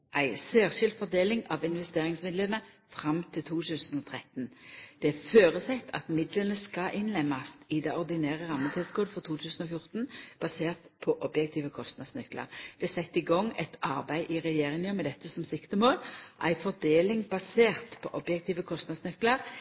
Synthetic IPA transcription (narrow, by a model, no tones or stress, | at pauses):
ʔæɪsæːʁʃɪld̪fɔʁd̪eːlɪŋɑʋɪnʋɛst̪eːʁɪŋsmɪd̪lənə | fʁɑmt̪ʰɪlt̪ʰuːt̪ʰʉːsən̩ɔt̪ʰʁɛt̪ːnd̪̥ɛæføːɾəsɛt̪ʰːɑ̰t̪mɪd̪lənəskɑʔɪnlɛmːɑst̪ɪd̪ɛɔʁd̪ɪnæːʁəʁɑmːət̪ʰɛsɡoːd̪əfɔʁt̪ʰuːt̪ʰʉːsn̩ɔfjʊʁt̪nb̥ɑseːʁt̪pʰɔʔɔbjɛk̚t̪ʰiːʋəkʰɔst̪nɑd̪snʏklə̰ʁd̪̥ɛsɛt̪ːɪɡɔŋːɛt̪ʰɑɾbæɪʔɪʁɛjeːʁɪŋəmɛd̪ɛt̪ːəsɔmsɪkt̪əmoːlʔæ̰ɪfɔʁd̪eːlɪŋbɑseːʁt̪pʰɔ̰ʔɔbjɛk̚t̪ʰiːʋəkʰɔst̪nɑd̪snʏkləʁ